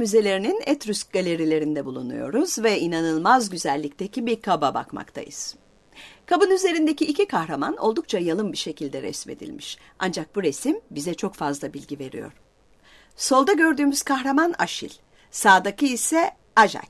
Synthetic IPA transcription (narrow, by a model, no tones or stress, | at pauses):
myze̞lʲe̞ɾininɛt̪ɾysc̚ɡalʲe̞ɾilʲe̞ɾind̪ɛbulˠṵnṵjo̞̰ɾuzvɛinanɯlˠmazɟyzælʲːic̚t̪ʰecʰibiɾkʰababa̰kma̰kt̪ʰa̰jɯ̰z̥ | kʰabɯnyze̞ɾind̪eciːcʰikʰahɾamano̞̰lˠd̪uk̚t͡ʃʰajalˠɯmbiʃe̞cʰilʲd̪ɛɾɛ̰smed̪ḭlʲmiʃ | ʔa̰nd͡ʒak̚buɾe̞simbizɛt͡ʃʰo̞kfazlˠabilʲɟive̞ɾḭjo̞̰ɾ̥ | so̞lˠd̪aɟø̞ɾd̪yːmyz̥kʰaxɾamana̰ʃḭlʲ | saːd̪akʰɯisɛ | aʒa̰c